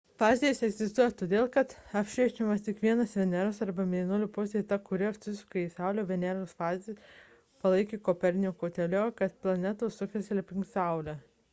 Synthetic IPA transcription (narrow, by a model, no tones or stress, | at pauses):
fɑːzʲejɛsɛɡzʲɪst̪uɔjɛt̪oːd̪ʲeːlˠkɐt̪ɐpʲʃʲɛɪt͡ʃʲɛmɐst̪ʲɪkʋʲiɛnɐsʋʲɛnʲæɾosɐɾbɐmʲeːnʊlʲupʊsʲd̪ʲejt̪ɐkʊɾʲɪɐsʲʊsʲʊkɐiːsɑʊlʲoːʋʲɛnʲæɾosfɑːzʲɪ | pɐlˠɐɪkʲiːkopʲɛɾʲnʲɪjoːkoːt̪ʲɛlʲoːkɐt̪plˠɐnʲɛt̪oːsʊkʲɛsʲlʲɪpʲɪŋksɐˑʊlʲɛ